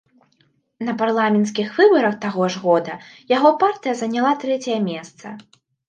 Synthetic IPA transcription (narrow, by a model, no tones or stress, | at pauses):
nɐparlˠamʲɛns̬kʲixvɨbɐɾɐxt̪aɣɔʐɣɔd̪ɐjaɣɔpart̪ɨjɐzɐnʲalˠat̪ɾɛt͡sʲɐjɐmʲɛst̪sɐ